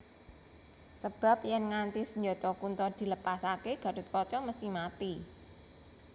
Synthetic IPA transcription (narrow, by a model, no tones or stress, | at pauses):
səb̥a̤p̚jɛnŋant̪isəɲd͡ʒot̪ɔkunt̪ɔd̪̥i̤ləpasakeɡ̥ä̤dṳt̪̚kɔt͡ʃɔməst̪imat̪i